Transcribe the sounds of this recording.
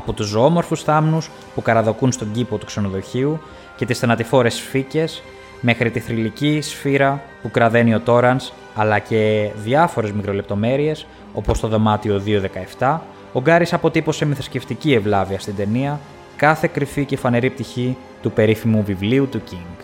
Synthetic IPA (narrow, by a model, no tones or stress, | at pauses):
ɐpot̪usomo̞ɾfusθɐmnus | pukɐɾɐðo̞kunst̪o̞ɟipo̞t̪ukse̞no̞ðo̞çiu | ce̞t̪isθɐnɐt̪ifo̞ɾe̞sfice̞s | me̞xɾit̪iθɾilicisfiɾɐ | pukɾɐðe̞nio̞t̪o̞ɾɐns | ɐlɐce̞ðʝɐfo̞ɾe̞zmikɾo̞le̞p̚t̪o̞me̞ɾie̞s | o̞po̞st̪o̞ðo̞mɐt̪io̞ðio̞ðe̞kɐe̞ft̪ɐ | o̞ɡɐɾisɐpo̞t̪ipo̞se̞miθɐ̥sce̞ft̪icie̞vlɐviɐst̪ind̪e̞niɐ | kɐθe̞kɾifice̞fɐne̞ɾip̚t̪içi | t̪upe̞ɾifimuvivliut̪uciŋɡ